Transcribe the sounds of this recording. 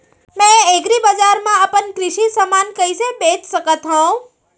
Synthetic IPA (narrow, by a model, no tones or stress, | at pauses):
mɛ̃eɡɾibəd͡ʒaɾmãəpənkɾɪʃisəmankəjsebet͡ʃsəkət̪ɦõ